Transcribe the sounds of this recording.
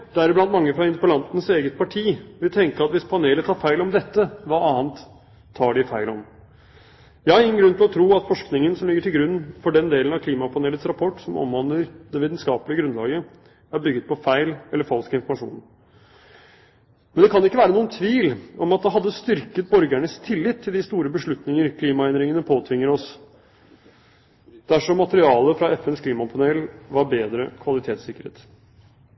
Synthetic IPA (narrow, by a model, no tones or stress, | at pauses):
d̪̥ɛæɾɪblɑnt̪mɑŋːəfɾɑɪnd̪əpəlɑnt̪nəseːɡət̪̚pʰɑʈʰiːʋɪlt̪ʰɛŋkəɾɑt̪ʋɪspʰɑneːlət̪ʰːɑːɾfæɪlɔmd̪ɛt̪ːəʋɑɑːənt̪ʰː | ɑːɖɪfæɪlɔm | jɑːɾɪŋːən̩ɡɾʉnt̪ɪlɔt̪ʰɾuːɑt̪fɔʂknɪŋənsɔmlɪɡːəʈʰɪlɡɾʉnːfɔɖɛnd̪eːlənɑkʰliːmɑpʰɑneːlət̪sɾɑpʰɔʈːsɔmɔ̰mʋɑnəɾd̪ɛʋiːt̪nskɑːpəlɪəɡɾʉnlɑːɡə | æɾbʏɡːət̪̚pʰɔfæɪlɛlːəɾfɑlskəɪnfɔɾmɑʂṵːn | mɛnd̪ɛkʰɑnɪkːəʋæːɾənuːənt̪ʰʋiːlɔmɑt̪̚d̪ɛɦɑd̪ːəst̪ʏɾkət̪̚bɔɾɡæɳəst̪ʰɪlːɪt̪ʰːɪld̪ɪst̪uːɾəbəʂɭʉt̪nɪŋəɾkʰliːmɑɛnd̪ɾɪŋənəpʰoːt̪ʰʋɪŋːəɾɔs | d̪̥æʂɔmːɑt̪əɾɪɑːləfɾɑɛfɛnskʰliːmɑpʰɑneːlʋɑɾbeːd̪ɾəkʰʋɑlɪt̪ʰeːt̪sɪkːəɾhḛːt̪